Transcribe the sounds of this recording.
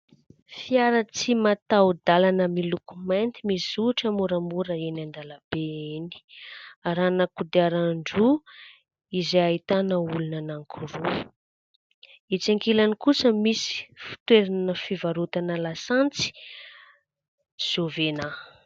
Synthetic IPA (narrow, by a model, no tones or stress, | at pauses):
fiaɾət͡simat̪awd̪alanəmilukumant̪imisuʈ͡ʂəmuɾamuɾəenand̪aləb̥eeni̥aɾanəkud̪iaɾaɳɖ͡ʐu | izeait̪anəulunanaŋkʰuru | it͡saŋkilanikusəmisi̥fi̥t̪weɾanəfivaɾut̪anəlasant͡si̥ | z̥ovena